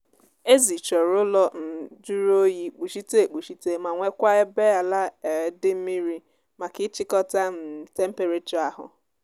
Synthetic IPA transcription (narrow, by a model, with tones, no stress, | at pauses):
e˦zi˨t͡ʃɔ˨ɾʊ˦lɔ˦n̩˨d͡ʒu˦ɾo˦ji˦k͡pu˨ʃi˦te˦˨k͡pu˨ʃi˦te˦ma˨ŋʷe˦kʷa˦e˦be˦a˨la˦e˨˦dɪ˦m̩˦mi˦ɾi˦ | ma˨kɪ˦t͡ʃɪ˦kɔ˦ta˦m̩˨te˦m̩˦pe˨ɾe˦tu˨a˦ɦʊ̰˨